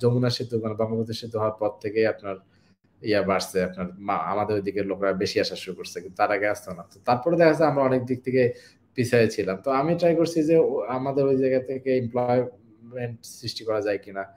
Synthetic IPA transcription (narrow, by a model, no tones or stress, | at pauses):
omunaʃit̪umanebaŋlabod͡ʑ̪ʰeʃit̪uɦɔoaɾpɔɾt̪ʰekeapnaɾ | iabaɾsʰeapnaɾaa̰mad̪eɾojd̪ikeɾlokɾabeʃiaʃaʃuɾukoɾsʰekint̪ut̪aɾaɡeast͡ɕʰonat̪ot̪aɾpɔɾed̪ɛkʰasʰeamɾaɔnek̚d̪ik̚t̪ʰeke | pit͡ɕʰaet͡ɕʰilamt̪oamiʈɾajkoɾt͡ɕʰid͡ʑeamad̪eɾojd͡ʑajɡat̪ʰekeemplɔj | meɳʈsɾiʃʈikɔɾad͡ʑajkina